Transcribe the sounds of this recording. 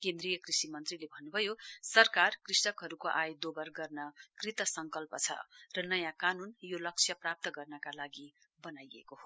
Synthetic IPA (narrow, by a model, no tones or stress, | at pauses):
kend̪ɾijʌkrisimʌnt̪rilebʱʌnːubʱʌjosʌrkarkrisʌkɦʌɾukoʔajd̪obʌrɡʌrnʌkrit̪ʌsʌŋkʌlpʌt͡sʰʌ̰rʌnʌjãkanunjolʌk̚t͡sʰjʌprap̚t̪ʌɡʌrnʌkalaɡi | bʌnajḛkoɦo